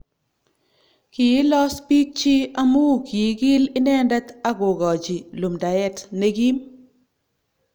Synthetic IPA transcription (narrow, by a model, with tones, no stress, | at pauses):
ki˨˦lɔ˦spi˦k̚t͡ʃi˦a˦mu˦˨ki˨˦ɡi˦lɪ˦nɛ˦ndɛ˦ta˦ɡo˨ɡɔ˨d͡ʒi˨lu˨mda˨jɛ˦tne˨ɡi˦m